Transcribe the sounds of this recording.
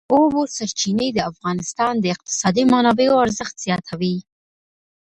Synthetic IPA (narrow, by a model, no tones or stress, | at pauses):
obosaɾt͡ʃinəjd̪əafɣɑnɪst̪ɑnd̪əɪq̚t̪ɪ̥sɑd̪imanɑbeoaɾzəxt̪z̥jɑt̪ʰawi